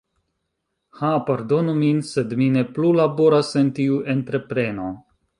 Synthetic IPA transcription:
hapaɾdo̞numinse̞dmine̞plulabo̞ɾasentiuʔe̞nt̪ɾe̞pɾe̞no̞

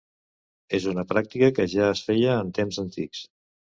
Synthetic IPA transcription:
ezunəpɾak̚t̪ikəkəʒaəsfejəːnt̪emzənt̪iks

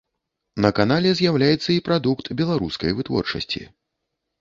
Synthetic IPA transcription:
nɐkanalʲɛzʲjawlʲajɛt̪sːɐipɾad̪ukt̪bʲɛlˠaɾuskɐ̰jvɨt̪vɔ̰rt͡ʂɐ̰sʲt͡sʲḭ

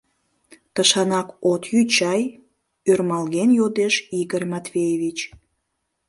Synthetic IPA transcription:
t̪əʃɑnɑkot̪jyt͡ɕɑj | ørmɑlɣenjod̪eʃiɣərmɑt̪vʲejeβit͡ɕ

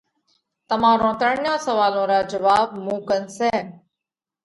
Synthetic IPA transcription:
t̪əmãːɾõːt̪əɳjõːsəʋaːlõːɾaːd͡ʒəʋaːb̚mũːkənseː

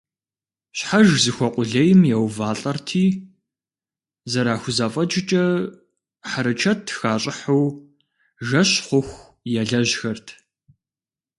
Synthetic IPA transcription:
ɕħaʒzɨxʷɔqʷʼʊɮɐjɪmjɛwvaːɬʼɐrtʰiː | zɐɾaːxʷʊzaːfʼɐd͡ʒɪt͡ʃʼɐ | ħaɾɨt͡ʃʰɐtʰxaːɕʼɪħɐw | ʒɐɕχʷʊxʷ | jɛɮɐʑxɐrtʰ

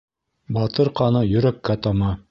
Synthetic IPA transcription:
bɑt̪ɤɾqɑnɤjɵ̆ɾækːæt̪ɑmɑ

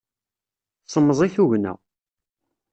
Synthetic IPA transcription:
sˤəmːəzˤiθuʝnæ̰

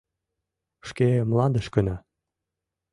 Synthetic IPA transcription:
ʃkemlɑnd̪ə̆ʃkə̆nɑ

